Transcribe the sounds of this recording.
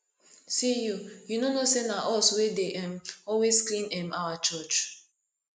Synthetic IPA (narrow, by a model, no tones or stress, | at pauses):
sijujunonosenaʔɔswedeʔɛ̃mɔlwesklĩnɛmawat͡ʃɔt͡ʃ